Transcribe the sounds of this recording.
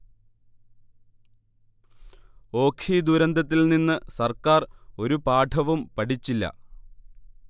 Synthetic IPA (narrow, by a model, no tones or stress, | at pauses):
o̞ːkʰiːd̪uɾɐnd̪ɐt̪ːilninːɨsɐrkaːro̞ɾupaːʈʰɐʋumpɐʈʰit͡ɕːilːɐ̰